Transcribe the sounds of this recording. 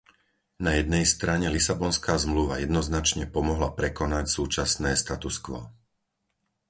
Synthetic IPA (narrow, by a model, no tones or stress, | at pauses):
najɛd̪nɛjst̪ɾaɲɛlisabɔnskaːzmluʋa̰jɛd̪nɔznat͡ʃɲɛpɔmɔɦlapɾɛkɔnacsuːt͡ʃasnɛːst̪at̪uskʋɔ̰